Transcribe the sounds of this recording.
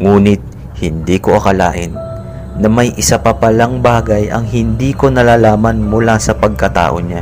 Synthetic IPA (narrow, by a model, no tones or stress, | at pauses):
ŋuːnɪt̪̚ | hɪnd̪iːko̞ʔɐkɐla̰ːʔɪnː | ɐmɐjʔɪsapɐpɐlaŋbaːɡɐjʔɐ̰ŋɦɪnd̪iːko̞nɐlaːlaːmɐnmʊlasɐpɐɡ̚kɐt̪a̰ːʔo̞ɲa